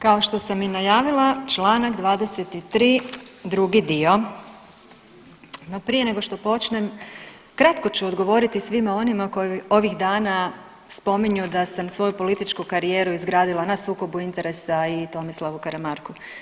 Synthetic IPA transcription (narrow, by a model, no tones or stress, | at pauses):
kao̞ʃt̪o̞saminajaːʋilˠat͡ʃlˠaːnakd̪ʋaːd̪e̞set̪it̪ɾiːd̪ɾuɡid̪io̞ | no̞pɾije̞ne̞ɡo̞ʃt̪o̞po̞t͡ʃne̞m | kɾat̪ko̞t͡ɕuod̪ɡo̞ʋo̞ɾit̪isʋimao̞nimako̞juo̞ʋiɣd̪aːna | spo̞miɲud̪asamsʋo̞jupo̞lit̪it͡ʃkukaɾijeːɾuizɡɾaːd̪ilanasuːko̞buint̪e̞ɾe̞sait̪o̞mislˠaʋukaɾemaɾku